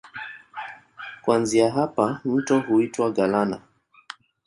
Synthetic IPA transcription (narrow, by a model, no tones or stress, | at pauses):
kwanziaɦapam̩tɔɦuitwaɡalana